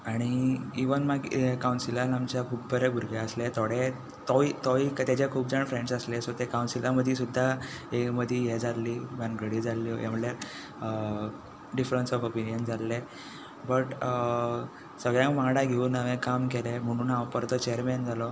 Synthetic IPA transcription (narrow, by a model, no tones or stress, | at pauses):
aɽ̃iiʋənmaɡkawnsilalamt͡ɕakʰuːp̚bʱəɾebʱuɾɡeəslet̪ʰoɽe | t̪ɔit̪ɔikt̪jat͡ɕakʰuːp̚d͡zəɳfɾeɳɖsəslesɔt̪ekawnsilaməd̪ʱisud̪ʱːa | eməd̪ʱijed͡zalliːmanɡʱəɽid͡zalːḭjʔa̰m̤əaɾ | ɖifɾənsɔfopinijənd͡zalːe | bəʈ | səɡɭjãmaɽaɡʱeunaʋẽkamkelem̤əɽ̃uːnaʋpəɾt̪ət͡ɕejəɾmend͡zʱalɔ